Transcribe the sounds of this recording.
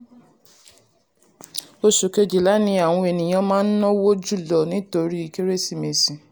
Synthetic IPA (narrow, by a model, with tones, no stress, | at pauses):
o˧ʃu˨ke˧d͡ʒi˨la˨˦nĩ˦a˨w̃ɔ̃˧e˨nĩ˨j̃ã˨˧mãː˦n̩˦nɔ̃˦wo˦d͡ʒu˦˨lɔ˨nĩ˨˦to˧ɾi˦i˧ke˦ɾe˦˨si˦˨me˨sĩ˨